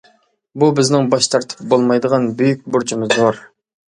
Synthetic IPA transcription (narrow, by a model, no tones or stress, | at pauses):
bubɪznɪŋbɑʃt̪ʰɑɾt̪ʰɨ̥p̚bolˠmɑjd̪əʁɑnbyjyk̚ʲbʊɾt͡ʃʰimɨzoɾ